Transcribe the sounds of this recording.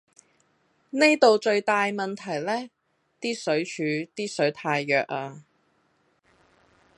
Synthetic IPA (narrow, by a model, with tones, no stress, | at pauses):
ne˥jt̪o˨wt͡ʃɵ˧ɥt̪aː˨˧jmɐ˨nt̪ʰɐ˨˩jlɛː˥ | t̪iː˥sɵ˨˥ɥt͡ʃʰyː˨˧˥t̪iː˥sɵ˨˥ɥt̪ʰaː˧jːœː˨k̚ʔaː˧